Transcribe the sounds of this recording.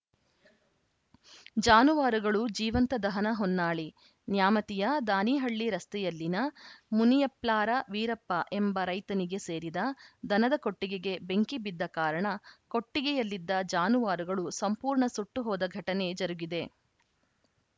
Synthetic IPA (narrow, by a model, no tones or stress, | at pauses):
d͡ʒaːnuʋaːɾuɡɐɭud͡ʒiːʋɐnt̪ɐd̪ɐɦɐnɐɦɔnːaːɭi | njaːmɐt̪ijɐd̪aːniːɦɐɭːiɾɐst̪ɛjɐlːinɐmunijɐplaːɾɐʋiːɾɐpːɐʔe̞mbɐɾɐjt̪ɐniɡe̞se̞ːɾid̪ɐd̪ɐnɐd̪ɐko̞ʈːiɡeɡe̞be̞ŋkibid̪ːɐkaːɾɐɳɐko̞ʈːiɡejɐlːid̪ːɐd͡ʒaːnuʋaːɾuɡɐɭusɐmpuːɾɳɐsuʈːuɦɔːd̪ɐɡʱɐʈɐne̞d͡ʒɐɾuɡid̪e̞